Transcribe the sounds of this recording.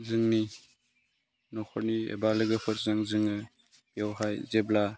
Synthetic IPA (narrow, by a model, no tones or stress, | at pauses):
zɯŋni | nɔkʰɔɾniḛbalɯɡɯpʰɯt̚zaŋzɯŋɯ | jawɦajzebla